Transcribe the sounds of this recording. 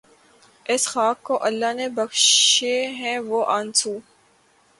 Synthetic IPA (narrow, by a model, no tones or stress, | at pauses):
ɪsxaːkːoʔɐlːanebɐxʃeɦɛ̃ʋoʔãːnsuː